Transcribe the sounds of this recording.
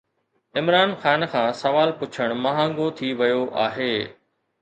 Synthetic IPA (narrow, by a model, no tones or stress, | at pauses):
ɪmɾaːnxaːnxʰãːsɐʋaːlpʊt͡ɕʰəɽ̃mɐɦã̆ːɡot̪ʰiʋɐjoʔa̰ːɦeː